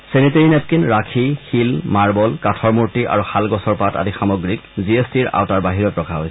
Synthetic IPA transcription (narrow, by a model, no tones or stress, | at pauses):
seniteɹinɛt̚kinɹakʰixilmaɹbɔlkatʰɔɹmuɹtiʔa̰ɹuxalɡɔsɔɹpata̰dixamɔɡɹikziestiɹa̰wtaɹbaɦiɹɔtpɹɔkʰaɦojsɛ